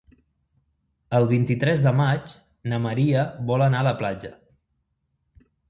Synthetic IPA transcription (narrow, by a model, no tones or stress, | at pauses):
əlˠβ̞int̪it̪ɾɛzðəmat͡ʃ | nəməɾiəβɔlənaələplad͡ʒə